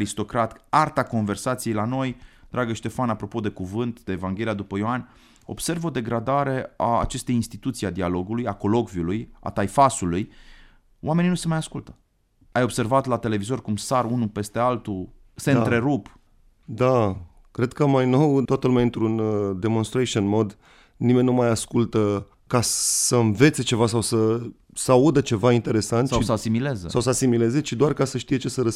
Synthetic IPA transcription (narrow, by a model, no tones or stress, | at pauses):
ɾist̪o̞kɾat̪art̪ako̞nve̞rsat̪sijejlano̞jd̪̥ɾaɡəʃt̪e̞fanapɾo̞po̞d̪e̞kuvɨnt̪d̪e̞ːvaŋɡʲe̞lijad̪upəjoan | o̞̰bse̞rvo̞d̪e̞ɡɾad̪aɾe̞a̰ːt͡ʃe̞st̪e̞jinst̪it̪ut̪siad̪ialo̞ɡulujako̞lo̞kviuluja̰t̪ajfasuluj | wʔame̞ninuse̞majaskult̪ə̥ | ajo̞bse̞rvat̪lat̪e̞le̞vizo̞rkumsaɾunupe̞st̪ealt̪u | se̞ɨat̪ɾe̞ɾup | d̪a | kɾe̞d̪̥̚kəmajno̞wt̪oat̪əlumeaɨnt̪ɾund̪e̞mo̞nst̪ɾeʃionmo̞d̪ | nime̞nʲnumajaskult̪ə | kasəɨnve̞t̪se̞t͡ʃe̞vasawsə | səaud̪ət͡ʃe̞vaint̪e̞ɾe̞sant̪sʃaisəasimilezəsawsasimile̞zet͡ʃid̪oarkasəʃt̪ije̞t͡ʃe̞səɾə